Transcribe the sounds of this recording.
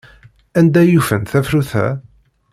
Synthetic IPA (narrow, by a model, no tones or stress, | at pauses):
ænd̪æjufənθæfɾuθæ̰